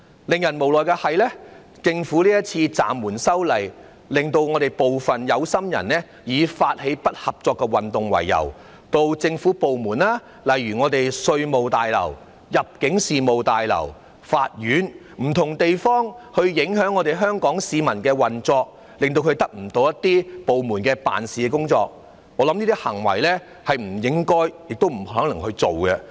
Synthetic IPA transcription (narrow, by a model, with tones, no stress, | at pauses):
lɪ˨ŋjɐ˨˩nmo˨˩wlɔː˨˩jkɛː˧hɐ˨jlɛː˥ | t͡sɪ˧ŋfuː˨˥liː˥jɐ˥t̚t͡sʰiː˧t͡sa̰ː˨mːuː˨˩nsɐ˥wlɐ˨˩j | lɪ˨ŋt̪o˧wŋɔː˨˧t̪e˨jpo˨wfɐ˨njɐ˨˧wsɐ˥mjɐ̰˨˩nlɛː˥ | jiː˨˧faː˧t̚he˨˥jpɐ˥t̚hɐ˨p̚t͡sɔː˧kːɛ˧wɐ˨˩nt̪ʊ˨ŋwɐ̰˨˩jːɐ̰˨˩w | t̪o˧wt͡sɪ˧ŋfuː˨˥po˨wmuː˨˩nlaː˥ | lɐ˨jɥyː˨˩ŋɔː˨˧t̪e˨jsɵ˧ɥmo˨wt̪aː˨jlɐ̰˨˩w | jɐ˨p̚kɪ˨˥ŋsiː˨mo˨wt̪aː˨jlɐ̰˨˩w | faː˧t̚jyː˨˥n | m̩˨˩t̪ʰʊ˨˩ŋt̪e˨jfɔː˥ŋhɵ˧ɥjɪ˨˥ŋɦœː˨˥ŋːɔː˨˧t̪e˨jɦœː˥ŋkɔː˨˥ŋsiː˨˧mɐ˨˩nkɛː˧wɐ˨nt͡sɔː˧k̚ | lɪ˨ŋt̪o˧wkʰɵ˧ɥt̪ɐ˥k̚m̩˨˩t̪o˧wjɐ˥t̪ːiː˥po˨wmuː˨˩nkɛː˧pa̰ː˨nsiː˨kɛː˧kʊ˥ŋt͡sɔː˧k̚ | ŋɔː˨˧lɐ˨˦˥mniː˥t̪i˥hɐ˨˩ŋwɐ̰˨˩jlɛː˥ | hɐ˨jm̩˨˩jɪ˨˥ŋkɔː˥jjɪ˨k̚t̪o˥wm̩˨˩hœː˨˥ŋlɐ˨˩ŋhɵ˧ɥt͡so˨wɡɛ˧